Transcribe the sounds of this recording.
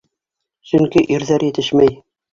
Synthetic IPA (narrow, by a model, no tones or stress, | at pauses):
sɵŋkiʔiɾðæɾjɘ̆t̪ɘʃmæj